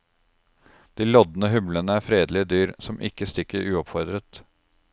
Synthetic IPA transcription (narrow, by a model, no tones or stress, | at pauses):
d̪̥iːlɔd̪nəɦʉmlənəæːɾfɾeːd̪lɪəd̪yːɾsɔmʔɪkːəst̪ɪkːəɾʉːɔpfɔɾd̪ɾət̪